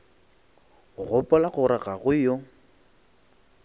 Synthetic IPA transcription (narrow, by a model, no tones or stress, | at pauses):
ɣʊpʼɔlaɣʊɾɪɣaɣʊjo